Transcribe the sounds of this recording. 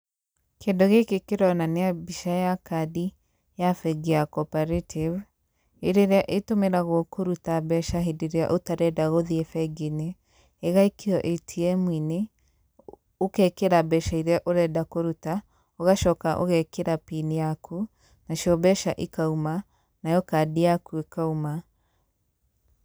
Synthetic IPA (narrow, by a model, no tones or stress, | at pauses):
kʰeːndoɣekekeɾɔnaneabiʃajakadi | jafɛɡiakɔpaɾetʰiv | eɾeɾeaʔetomeɾaɣɔkʰoɾutabɛʃaɦedeɾea̰ʔotaɾɛdaɣoðiefɛɡineː | ɣaikeɔʔetʰiɛmwine | okɛkeɾabɛʃaiɾɛʔoɾɛdakoɾuta | oɣaʃɔkaʔo̰ɣɛkeɾapinijakʰu | naʃiɔbɛʃaʔikauma | najɔkadiakuekauma